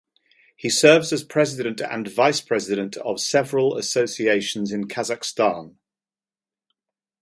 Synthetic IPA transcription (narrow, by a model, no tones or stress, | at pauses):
hisɜːvzəz̥pʰɹ̥ɛzɪddə̃ntʰə̰̃nvaɪspʰɹ̥ɛzɪɾə̃ntʰə̰v̥sɛvəɹələ̰səʊsieɪʃə̃nzɪ̃nkʰazakstɑ̃ːn